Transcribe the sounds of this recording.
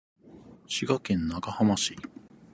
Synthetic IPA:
ɕiɡakẽ̞nːaɡahamaɕi

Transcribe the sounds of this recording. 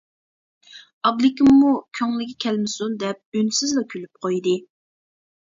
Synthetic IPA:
ɑblɪkʲɪmːukʲʰøŋlɪkʲikʲʰɛlmɪsund̪ɛp̚ynsɪzlˠɑkʲʰylyp̚qʰojd̪ɨ

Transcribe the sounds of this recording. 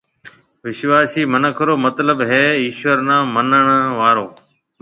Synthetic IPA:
ʋɪʃʋaːsiːmənəkʰɾoːmət̪ləbɦeːiːʃʋəɾnãːmənəɳʋaːɾoː

